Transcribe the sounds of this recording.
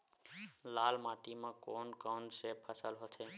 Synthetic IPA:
laːlmaʈ̪imãkoːnkawnsepʰəsəlɦot̪ʰe

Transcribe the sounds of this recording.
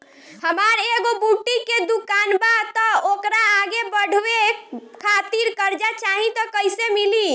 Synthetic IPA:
həmaɾeɡobuʈiked̪ukanbat̪ɔokɾaːɡebəɽ̤wekʰat̪iɾkəɾd͡ʒat͡ʃaɦĩt̪ɔkəjsemili

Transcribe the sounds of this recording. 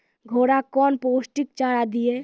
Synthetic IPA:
ɡʱoːɽakɔːnpoːsʈik̚t͡ʃaːɾad̪ie

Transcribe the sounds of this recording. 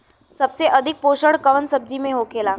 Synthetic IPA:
səbseʔəd̪ʱik̚poɕəɽkəʋənsəb̚d͡ʑimeɦokela

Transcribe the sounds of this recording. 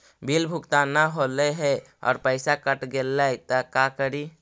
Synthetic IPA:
bʱilbʱʊkt̪anaɦoleɦɛ | ɔ̰ːɾpəɪsakəʈɡelːajt̪əkakəɾi

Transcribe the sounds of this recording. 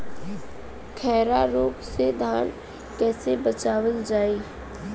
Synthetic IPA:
kʰɛːɾaɾoːksed̪ʱaːn | kɛːsebət͡ʃaːʋəld͡ʒaːiː

